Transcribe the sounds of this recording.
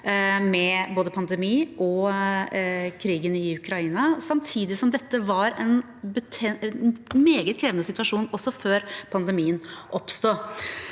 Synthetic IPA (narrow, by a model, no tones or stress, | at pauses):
mɛboːd̪əpʰɑnd̪ɛmiːʔɔ | kʰɾiːɡənɪʉkʰɾɑiːnɑsɑmt̪ʰiːd̪ɪsɔmd̪ɛt̪ːəʋɑɾɛn | bət̪ʰɛ | meːɡət̪kʰɾeːʋnəsɪt̪ʋɑʂuːnɔsːɔføːɾpʰɑnd̪əmiːənʔɔpst̪uː